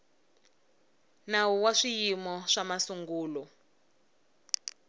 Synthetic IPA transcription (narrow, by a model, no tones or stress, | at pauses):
nawuwaʂijimɔʂamasuŋɡuːlɔ